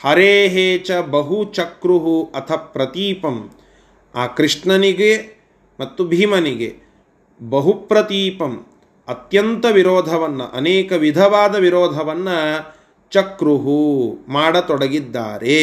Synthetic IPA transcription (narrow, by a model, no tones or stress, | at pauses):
hɐɾeːɦeːt͡ʃɐbɐɦut͡ʃɐkɾuɦuɐt̪ʰɐpɾɐt̪iːpɐm | aːkɾiʂɳɐniɡe | mɐt̪ːubʱiːmɐniɡḛ | bɐɦupɾɐt̪iːpɐm | ɐt̪jɐnt̪ɐʋiɾoːd̪ʱɐʋɐnːɐ̰ʔɐ̰neːkɐʋid̪ʱɐʋaːd̪ɐʋiɾoːd̪ʱɐʋɐnːɐ | t͡ʃɐkɾuɦumaːɽɐt̪ɔɽɐɡid̪ːa̰ːɾe